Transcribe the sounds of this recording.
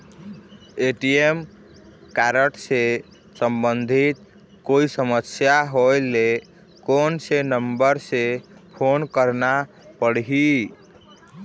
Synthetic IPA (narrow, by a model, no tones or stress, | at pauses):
eʈiem | kaɾəʈse | səmbənd̪ʱit̪̚ | koisəməsjaɦojle | konsenəmbəɾsepʰonkəɾna | pəɽɦi